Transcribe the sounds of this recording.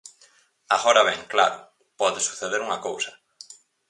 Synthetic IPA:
aɣɔɾɐβɛŋkla̰ɾʊ | pɔðesu̥θeðeɾuŋɐkowsɐ̥

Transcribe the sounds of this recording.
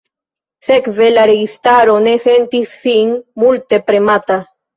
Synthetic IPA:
sekvelaɾeɣist̪aɾonesent̪isiŋmult̪epɾemat̪a

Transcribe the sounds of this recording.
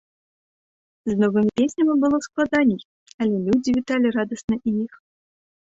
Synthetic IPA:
znɔvɨmʲipʲesʲnʲɐmʲibɨlˠɔsklˠad̪anʲɛj | ɐlʲɛlʲud͡zʲivʲit̪alʲiɾad̪ɐsnɐʔijix

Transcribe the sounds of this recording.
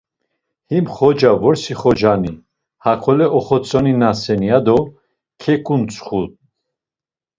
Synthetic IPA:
himχɔd͡ʒavɔɾsiχɔd͡ʒani | hakʰɔlɛʔɔχɔt͡sʼɔninasɛniad̪ɔ | kʰɛkʼunt͡sʰʼχut̪̚

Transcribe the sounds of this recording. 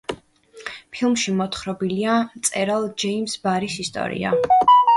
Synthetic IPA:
pʰilˠmʃimɔt̪χɾɔbiliat̪sʼɛɾalˠd͡ʒɛimsbaɾisist̪ʼɔ̰ɾḭa̰

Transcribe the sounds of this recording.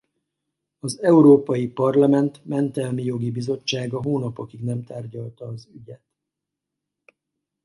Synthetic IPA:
ɒzɛuɾoːpɒjipɒrlɒmɛnt̪mɛnt̪ɛlmijo̞ɡibizo̞t͡ʃːaːɡɒɦoːnɒpokiɡnɛmt̪aːrɟɒlt̪ɒːzyɟɛt̪

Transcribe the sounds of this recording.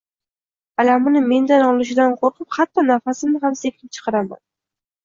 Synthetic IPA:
alamɪnɪme̞nd̪anɒlˠɪʃ̬ɪd̪anqʰoɾqʰɨphat̪ʰːɒnafasɪmnɪɦamse̞kʲʰnɪpt͡ʃʰɨ̥qʰɑɾama̰n

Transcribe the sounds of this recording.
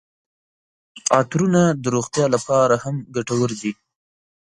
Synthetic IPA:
ɑt̪ɾunad̪əɾoxt̪jɑlapɑɾahamɡaʈawəɾd̪i

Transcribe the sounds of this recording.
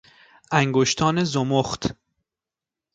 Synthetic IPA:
ʔæŋɡoʃt̪ʰɒːnezomoχt̪

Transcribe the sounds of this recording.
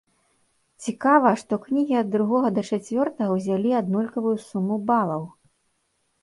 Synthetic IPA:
t͡sʲikavɐʂt̪ɔknʲiɣʲiɐd̪ːɾuɣɔɣɐd̪ɐt͡ʂat͡sʲvʲɔrt̪ɐɣɐwzʲalʲiad̪nulʲkɐvujusumːubalˠɐw

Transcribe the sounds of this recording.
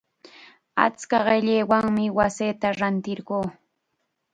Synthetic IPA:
a̰t͡skaɢeʎejwaŋmɪwaseːt̪aɾant̪ɪɾɢoː

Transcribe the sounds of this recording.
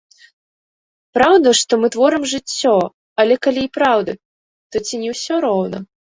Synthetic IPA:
pɾawd̪ɐʂt̪ɔmɨt̪vɔɾɨmʐɨt͡sʲːɔ | ɐlʲɛkalʲiːpɾawd̪ɐ | t̪ɔt͡sʲinʲɛwsʲɔɾɔwnɐ̰

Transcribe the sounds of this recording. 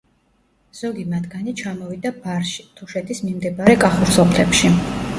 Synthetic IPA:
z̥ɔɡimat̪ʰɡanit͡ʃʰamɔvid̪abaɾʃi̥t̪ʰɔʃɛt̪ʰismimd̪ɛbaɾɛkʼaχuɾsɔpʰlɛpʃi

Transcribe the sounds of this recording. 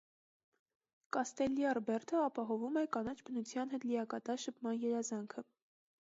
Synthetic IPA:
kɑst̪ɛlːiɑrbɛɾt̪ʰəɑpɑɦɔvumɛkɑnɑt͡ʃʰbənut͡sʰjɑnɦɛt̪lijɑkɑt̪ɑɾʃəpʰmɑnjɛɾɑzɑŋkʰə

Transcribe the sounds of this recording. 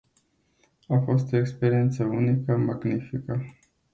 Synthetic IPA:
afo̞st̪o̞ekspe̞ɾie̞nt̪səunikəmaɡnifikə

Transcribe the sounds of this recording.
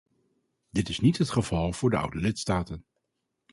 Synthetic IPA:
dɪtɪsnitɦətχəvɑlˠv̥ʊːɹdəʌ̰wdəlɪtstaːtən

